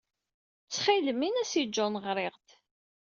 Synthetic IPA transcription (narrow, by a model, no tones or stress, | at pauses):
t͡sːχiləminæsid͡ʒːonʁɾˤɪʁt̪